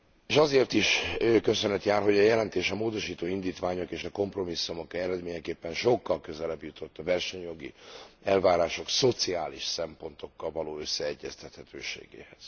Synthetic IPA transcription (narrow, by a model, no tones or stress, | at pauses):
eːʃɒzeːrt̪iʃøːkø̞sønɛt̪jaːrɦo̞ɟɒjɛlɛnt̪eːʃɒmoːd̪o̞ʃiːt̪oːind̪iːt̪vaːɲo̞keːʃɒko̞mpro̞misːumo̞kɛɾɛd̪meːɲɛkeːpːɛnʃo̞kːɒlkø̞zɛlɛbjut̪ʰo̞t̪ːɒvɛrʃɛɲjo̞ɡḭɛlvaːɾaːʃo̞kso̞t̪siaːliʃsɛmpo̞nt̪ʰo̞kːɒlvɒloːø̞sːɛɛɟːɛst̪ɛt̪hɛt̪ʰø̰ːʃḛːɡḛːhɛz̥